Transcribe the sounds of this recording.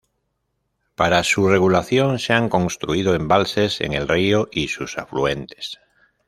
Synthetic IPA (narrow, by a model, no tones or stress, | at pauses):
paɾasureɣulaθjõŋseaŋkõ̞nst̪ɾuiðoẽmbalsesḛŋe̞lrioʔisusa̰flue̞nt̪e̥s